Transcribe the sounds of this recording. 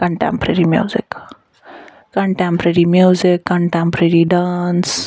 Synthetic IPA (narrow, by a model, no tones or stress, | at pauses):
kəɳʈɛ̰̃mpɾeɾimjṵːzɪ̰k | kːəɳʈɛ̃mpɾeɾimjuːzɪkːəɳʈɛ̃mpɾeɾiɖaːns